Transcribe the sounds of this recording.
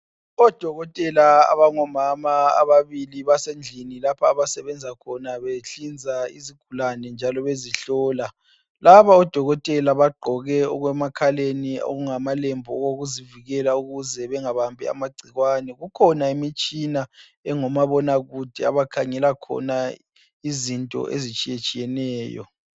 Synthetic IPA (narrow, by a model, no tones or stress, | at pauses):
ɔd̥ʱɔɣɔtʼɛlaa̰βaŋɔmamaa̰βaβiliβasend͡ɮʱinilapʰaːβasɛβɛnd͡zʱakʰɔnaβeɬind͡zʱaḭziɡ̥ʱulanɛnd͡ʒʱalɔβeziɬɔːla | laβaɔd̥ʱɔɣɔtʼɛlaβaɡ͡ǃʱɔɣɛɔ̰ɣwɛmakʰalenio̰ɣuŋamalɛmbʱɔɔɣoɣuziviɣɛlauɣuzɛβɛŋaβambʱɛ̰a̰maɡ͡ǀʱiɣwanɛɣukʰɔnaimit͡ʃʼina | ɛŋɔmaβɔnaɣud̥ʱɛa̰βakʰaŋɛlakʰɔ̰na | izintʼɔ̰ʔḛzit͡ʃʼijet͡ʃʼijɛnɛːjɔ̰